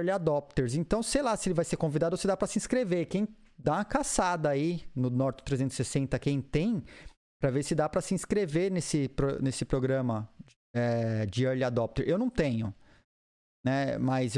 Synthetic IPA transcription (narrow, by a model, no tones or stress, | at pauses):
ɾlɪad̪ɔp̚t̪eɾz̬ẽnt̪ɐ̃w̃sejlasɪelɪvajseɾkõvid̪ad̪ʊosed̪apɾɐsɪĩskɾevekẽj̃ | d̪aũɐkasad̪ɐːinʊnɔɾt͡ʃɪ̥t̪ɾezẽt̪ʊ̥z̥ɪsesẽnt̪ɐkẽj̃t̪ẽj̃ | pɾɐveɾsɪd̪apɾɐsɪĩskɾeveɾnesɪpɾonesɪpɾoɡɾɐ̃mɐ | ɛd͡ʒɪɐɾlɪad̪ɔp̚t̪eɾʔewnɐ̃w̃t̪ẽɲʊ | nɛmɐz